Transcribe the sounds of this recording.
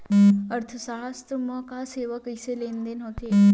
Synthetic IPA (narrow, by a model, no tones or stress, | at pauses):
əɾt̪ʰəsaɦəst̪əməkaseːʋəkiselend̪enot̪e